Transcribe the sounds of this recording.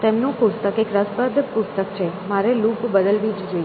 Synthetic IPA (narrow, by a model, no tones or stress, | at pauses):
t̪emnũpʊst̪əkekɾəspəd̪pʊst̪əkt͡ʃʰemaɾelupbəd̪əlʋid͡ʒd͡ʒoi